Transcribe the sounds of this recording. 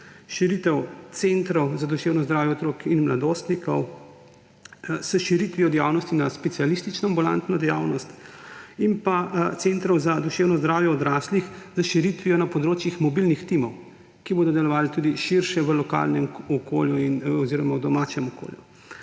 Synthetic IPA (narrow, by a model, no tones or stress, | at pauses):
ʃiɾit̪ɛwt̪sent̪ɾɔwzad̪uʃeːwnɔzd̪ɾaːwjɛɔt̪ɾoːkinmlad̪oːst̪nikɔ̰w | səʃiɾit̪ʋijɔd̪ja̰wnɔst̪inaspɛt̪sialist̪it͡ʃnɔambula̰nt̪nɔd̪ɛjaːwnɔst̪impat̪sent̪ɾɔwzad̪uʃeːwnɔzd̪ɾaːwjɛɔd̪ɾaslixzəʃiɾit̪ʋiɔnapɔd̪ɾoːt͡ʃjixmɔbilnixt̪imɔw | kiboːd̪ɔd̪ɛlɔʋaːlit̪uːd̪iʃiɾʃɛʋəlɔka̰lnɛmɔkoːljuinɔziːɾɔmawd̪ɔmaːt͡ʃɛmɔko̰ːlju